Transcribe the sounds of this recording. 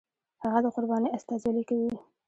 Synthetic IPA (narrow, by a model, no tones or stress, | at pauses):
haɣad̪əqʊɾbɑniʔast̪ɑzalikawi